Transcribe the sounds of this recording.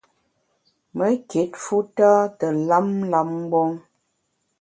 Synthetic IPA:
mə˦ke˨˦t̚fu˦ta˦tə˨la˦mla˦m˦ɡ͡bɔ˦ŋ

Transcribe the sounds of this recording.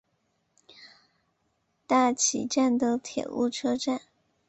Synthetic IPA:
t̪a˥˩t͡ɕʰi˨˩ʈ͡ʂa˥˩nd̪ə˨˥t̪ʰjɛ̰˨˩ʔṵ˥˩ʈ͡ʂʰɤ˥ʈ͡ʂa˥˩n

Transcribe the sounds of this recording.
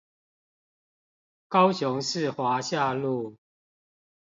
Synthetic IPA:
kɑ˦ʊɕjʊ˨˦ŋʂɻ̩˥˨xwa˨˦ɕja˥˧˨lu˥˨

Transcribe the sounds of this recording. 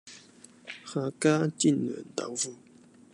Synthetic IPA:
xa˧ka˦t͡ɕi˥˨nə̰˨nt̪a̰˨vu˥˦

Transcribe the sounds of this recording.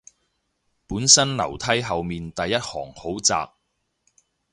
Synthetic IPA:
puː˨˥nsɐ˥nlɐ̰˨˩wt̪ʰɐ˥jɦɐ˨wmiː˨nt̪ɐ˨jːɐ˥t̚hɔː˨˩ŋho˨˥wt͡sa̰ː˨k̚

